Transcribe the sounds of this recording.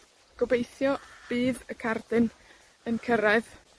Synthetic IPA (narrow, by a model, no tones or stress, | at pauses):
ɡ̥ɔbejθjɔb̥iːðəkʰardɨn | ənkʰəɾɛð